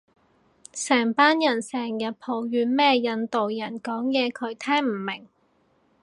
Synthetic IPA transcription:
sɛː˨˩ŋpaː˥njɐ˨˩nsɛː˨˩ŋjɐ˨t̚pʰo˨˩wjyː˨˧nmɛː˥jɐ˧nt̪o˨wjɐ˨˩nkɔː˨˥ŋjɛː˨˧kʰɵ˨˧ɥt̪ʰɛː˥ŋm̩˨˩mɪ˨˩ŋ

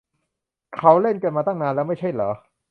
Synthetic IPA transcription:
kʰa˦˥wle˥˩nka˧nmaː˧t̪a˥˩ŋnaː˧nlɛː˦˥wma˥˩jt͡ɕʰa˥˩jlɔ̰ː˩˦

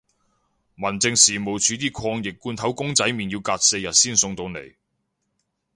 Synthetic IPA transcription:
mɐ˨˩nt͡sɪ˧ŋsiː˨˩mo˨˩wt͡sʰyː˨˧t̪iː˥kʰɔː˧ŋjɪ˨kːuː˧nt̪ʰɐ˨˥wkʊ˥ŋt͡sɐ˨˥jmi˨njiː˧wkaː˧t̚se˧jɐ˨t̚siː˥˩nsʊ˧ŋt̪o˧wnḛ˨˩j

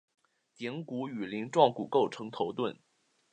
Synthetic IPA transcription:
t̪jɛ˧˥ŋku˧˥y˨˩li˧˥ŋʈ͡ʂwɑ˥˩ŋku˨˩ko˥˩ʊʈ͡ʂʰɤ˧˥ŋt̪ʰo˧˥ʊt̪wə˥˩n

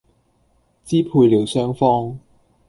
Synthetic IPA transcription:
t͡siː˥pʰuː˧jliː˨˩wsœː˥ŋfɔː˥ŋ

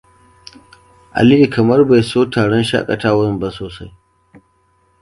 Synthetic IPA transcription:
ʔa̰˨lɪ˦ʔi˨kɐ˨mɐ˦rba˨jsoː˦taː˨ɽɔ˦nʃa̰˦kʼɐ̰˨taː˦wɐ˦˨mba˦soː˨sa˦j

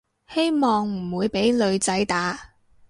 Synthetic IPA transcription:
he˥jmɔː˨ŋm̩˨˩wuː˨˧jpe˨˥jlɵ˨˧ɥt͡sɐ˨˥jt̪aː˨˥

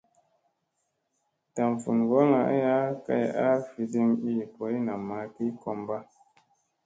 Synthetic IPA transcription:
ta˨m˨fu˨nɡo˦ŋa˨ʔa˦ja˦ka̰˦ja˦fi˨di˧ŋi˦˨pɔ˨˦i˦na˨ma˨˦ki˦kɔ˧mba˦

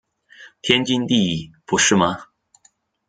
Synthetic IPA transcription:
t̪ʰjɛ˥nt͡ɕi˥nt̪i˥˧˨pu˧˥ʂɻ̩˥˩mɐ˨

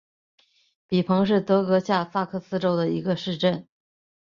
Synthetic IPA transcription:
pi˨˩pʰɤ˧˥ŋʂ̬ɻ̩˥˩t̪ɤ˧˥kɤ˧˥ɕja˥˧sa˥˧kʰɤ˥˩sɹ̩˥ʈ͡ʂo˥ʊd̪ə˨ḭ˧˥ɡə˧ʂɻ̩˥˧ʈ͡ʂə˥˩n

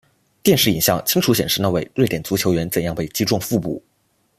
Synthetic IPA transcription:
t̪jɛ˥˧nʂɻ̩˥˩i˨˩nɕjɑ˥˩ŋt͡ɕʰi˥ŋʈ͡ʂʰu˧˥ɕjɛ˨˩nʂɻ̩˥˩n˥˧we˥˩ɪɻt̪jɛ˨˩nt͡su˧˥t͡ɕʰjo˧˥ʊɥɛ˧˥nt͡sə˨˩njɑ˥˧ŋpe˥˩ɪt͡ɕi˥ʈ͡ʂwɑ˥˧ŋfu˥˧pṵ˥˩

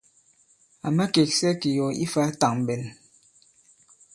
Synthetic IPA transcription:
a˨mɛ˦ke˨ksɛ˦ki˨jɔ˨ḭ˦fa˦ta˨ŋ˨bɛ˨n

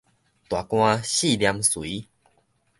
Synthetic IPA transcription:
t̪wa˨˩kw̃ã˧ɕi˥˦˨lja˧mswi˨˦

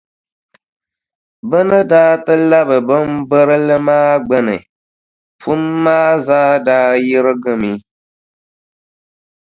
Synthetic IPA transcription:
bə˦nɨ˦daː˦tɨ˦la˦bɨ˨bɨ˦m˦bə˦ɾɨ˦lɨ˦maː˦ɡ͡bɛ˦nɨ̰˨ | fu˦mːaː˦zaː˦daː˦ji˦ɾɨ˦ɡɨ˦mi˦

